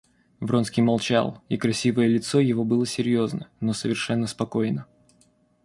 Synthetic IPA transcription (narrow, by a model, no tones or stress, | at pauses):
vɾonskʲijmɐlˠt͡ɕa̰lˠikɾɐsʲivəjəlʲɪt̪sojɪvo̞bɨlˠəsʲɪɾʲjo̞znənosəvʲɪrʂɛnːəspɐko̞jnə